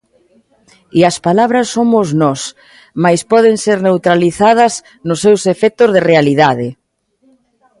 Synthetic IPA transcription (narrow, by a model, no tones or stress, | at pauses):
iɐspalaβɾɐsːomʊznɔs | majspɔðeŋseɾnewt̪ɾaliθað̞ɐz | nʊsːewsefɛk̚t̪ʊzðɪrealiðaðɪ